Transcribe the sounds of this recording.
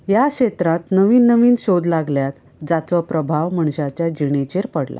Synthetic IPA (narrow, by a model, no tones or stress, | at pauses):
jaɕet̪ɾãt̪nəʋiːnːəʋiːnɕod̪laɡljat̪ | d͡zat͡sɔpɾəbʱaʋməɳɕat͡ɕjad͡ʑiɳ̃et͡ɕeɾpəɽla̰